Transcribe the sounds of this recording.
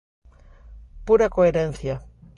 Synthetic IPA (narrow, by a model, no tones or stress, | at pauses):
puɾakoeɾen̟θja